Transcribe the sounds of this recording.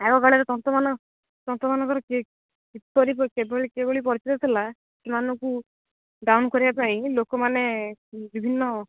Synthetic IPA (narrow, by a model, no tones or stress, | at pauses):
ɛɡɔɡaɭɛɾɔt̪ɔnt̪ɔmanɔ | t̪ɔnt̪ɔmanɔkɔɾɔke | kit̪ːɔɾipkebɔɭikeboɭip̬ɔɾit͡ʃit̪ɔt̪ʰila | sumanɔku | ɖawnkɔɾibapaĩlokɔmanebibʱinːɔ